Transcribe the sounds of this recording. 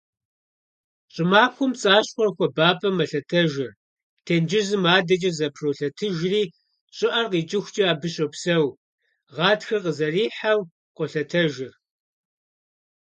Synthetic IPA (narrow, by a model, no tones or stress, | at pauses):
ɕʼɪmaːpxʷʊmt͡sʼaːɕxʷɔrxʷɔbaːpʰʼɐmɐɬɐtʰɐʒɪr | tʰeːnd͡ʒɪzɨmaːdɐt͡ʃʼɐzɐpʰroɬɐtʰɨʒriː | ɕʼɪʔɐrqiːt͡ʃʼɪxʷt͡ʃʼɐaːbɨɕʼopsɐw | ʁɑːtxɨrqəzɐriːħaw | qʷɔɬɐtʰɐʒɪr